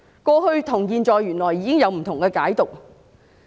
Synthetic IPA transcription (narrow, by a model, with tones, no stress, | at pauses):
kɔː˧hɵ˧ɥt̪ʰʊ˨˩ŋkiː˧nt͡sɔː˨˩jːyː˨˩nlɔː˨˩jːiː˨˧kɪ˥ŋjɐ˨˧wm̩˨˩t̪ʰʊ˨˩ŋkɛː˧kaː˨˥jt̪ʊ˨k̚